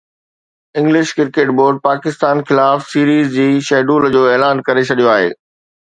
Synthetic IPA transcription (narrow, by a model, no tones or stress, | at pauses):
ɪ̃ŋɡlɪʃkɪɾkeːʈboːɾɖ̚paːkɪst̪aːnxɪlaːfsiːɾiːzd͡ʑiːʃɛːɖuːld͡ʑoːɛːlaːnkɐɾet͡ɕʰɐɗijoaːɦḛː